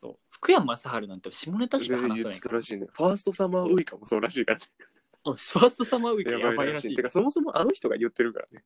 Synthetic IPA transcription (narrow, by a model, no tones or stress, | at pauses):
so̞̰ːɸɯ̥kɯ̟jamɯasaɦaɾɯ̟nãnt̪ːeɕimonet̪aɕi̥neahajɯːe̥t̪aɾaɕiːnḛɸaːsɨ̥t̪o̞samaɯ̟ikamo̞so̞ːɾaɕiːkaɾane | soːɸaːsɨ̥t̪o̞samaɯikjajbaibaiɾaɕiːiːekaso̞mo̞so̞mo̞ʔano̞çi̥t̪o̞ɡa̰jɯ̟t̪ːe̞ɾɯ̟ka̰ɾa̰ne̞